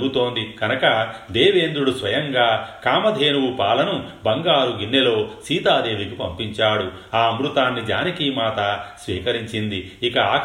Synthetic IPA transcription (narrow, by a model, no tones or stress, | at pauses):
ɡut̪o̞ːnd̪ikɐnɐkɐd̪eːʋeːnd̪ɾuɽusʋɐjɐŋɡaːkaːmɐd̪ʱeːnuwupaːlɐnubɐŋɡaːɾuɡinːelo̞ːsiːt̪aːd̪e̞ːʋikipɐmpiɲt͡ʃaːɽu | aːɐmɾut̪aːnːid͡ʒa̰ːnikimaːt̪ɐsʋiːkɐɾiɲt͡ʃind̪iikɐaː